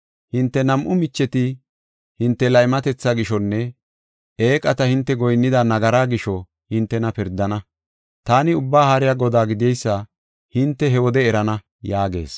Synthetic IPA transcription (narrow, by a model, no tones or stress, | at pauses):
hɪnt̪ːɛnɐmʔʊmɪt͡ʃːɛt̪ɪ | hɪnt̪ːɛlɐjmɐt̪ɛt͡sːaɡɪʃɔnːɛ | eːkʼɐt̪ɐhɪnt̪ːɛɡɔjnːɪd̪anɐɡɐɾaːɡɪʃɔ | hɪnt̪ːɛnɐpɪɾd̪ːɐnɐ | t̪aːnɪʊbːaːhɐɾɪjaɡɔd̪aːɡɪd̪ɪɛjsːa | hɪnt̪ːɛɦɛwɔd̪ɛːɾɐnɐ | jaːɡe̞̰ːs